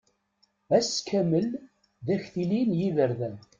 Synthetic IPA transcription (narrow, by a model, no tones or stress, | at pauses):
æskʰːæməl | ðæçθilinjiðəɾðæn